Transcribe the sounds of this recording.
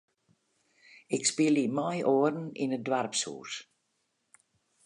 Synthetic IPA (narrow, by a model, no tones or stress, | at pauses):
ɪkspɪəlimɔjʔoərn̩ḭnədʋarpsṵːs